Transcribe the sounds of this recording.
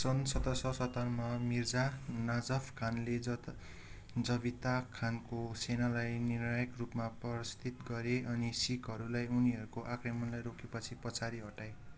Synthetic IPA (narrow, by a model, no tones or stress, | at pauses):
sʌnsʌt̪ʌsʌsʌt̪ʌrmʌmird͡zanad͡zʌpʰkʰanle | d͡zʌbit̪akʰankosenalajnirnajʌkrupmapʌst̪it̪ɡʌɾeʌnisikɦʌɾulajuniɦʌɾukoʔakremʌnlajɾokʰepʌt͡sʰipʌt͡sʰaɾiɦʌʈaj